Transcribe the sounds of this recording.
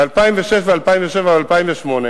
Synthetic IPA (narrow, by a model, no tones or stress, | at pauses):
alpaimveʃefvealpajiɱveʃevavalpaimveʃmo̞ne